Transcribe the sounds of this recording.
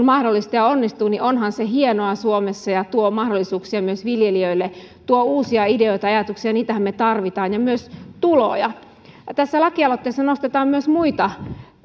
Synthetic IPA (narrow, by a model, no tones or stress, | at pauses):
nmɑhdolːist̪ɑjɑonːist̪uːniʔonhɑnseɦienoɑsuomesːɑjɑt̪uomɑhdolːisuːksiɑmyøsʋiljeliøilːet̪uouːsiɑideoit̪ɑɑjɑt̪uksiɑniːt̪æhæmmet̪ɑrʋit̪ɑːnjɑmyøst̪ulo̰ːjɑ | t̪æsːælɑkiɑlot̪ːeˑːsːɑnost̪et̪ɑːmmyøsmuit̪ɑ